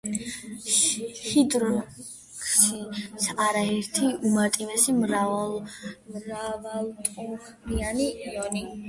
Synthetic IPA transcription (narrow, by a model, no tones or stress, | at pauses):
hid̪ɾɔ | kʃisʰaɾaɛɾt̪ʰiumat̪ʼivɛsimɾa | mɾavalˠt̪ʼuχ | nianiiɔni